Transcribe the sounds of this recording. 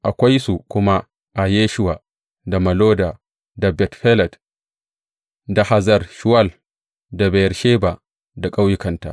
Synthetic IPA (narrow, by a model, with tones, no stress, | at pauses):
ʔa˨kʷa˦jsu˨kʷʊ˦ma˦ | ʔa˨je˦ʃu˦wa˨ | da˨mɐ˨loː˦da˨ | da˨bɛ˨tɸɛ˦lɛ˨t | da˨ha˨zɐ˦ɾʃu˦wa˦l | da˨bɛ˨jɾʃe˦ba˨ | da˨kʼa˦wjɪ˦kɐ˨nta̰˨